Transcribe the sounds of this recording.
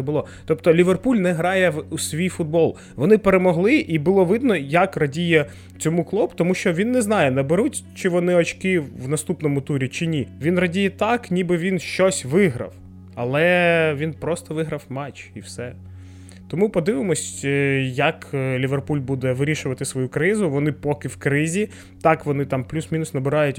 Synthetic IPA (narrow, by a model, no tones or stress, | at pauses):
bʊlˠɔ | t̪ɔpt̪ɔlʲiʋerpulʲnɛɦɾɑjɛusʋʲijfʊd̪̚bɔlˠ | ʋɔnɪpeɾemɔɦlˠɪʔibʊlˠɔʋɪd̪nɔjɐkrɐdʲijɛ | t͡sʲɔmuklˠɔbt̪ɔmuʃt͡ʃɔʋʲinːɛznɑjɛnɐbeɾutʲt͡ʃɪʋɔnɪɔt͡ʃkɪʋnɐst̪upnɔmʊt̪uɾʲit͡ʃɪnʲiʋʲinrɐdʲijɛt̪ɑknʲibɪʋʲinʃt͡ʃɔsʲʋɪɦɾɐ̰w | ɐlˠɛʋʲinpɾɔst̪ɔʋɪɦɾɐwmɛt͡ʃiwsɛ | t̪ɔmupɔd̪ɪʋɪmɔsʲjɐklʲiʋerpulʲbud̪ɛʋɪɾʲiʃʊʋɐt̪ɪsʋɔjukɾɪzʊʋɔnɪpɔkɪwkɾɪzʲi | t̪ɑkʋɔnɪt̪ɑmplʲusmʲinʊsnɐbɪɾɑjʊtʲ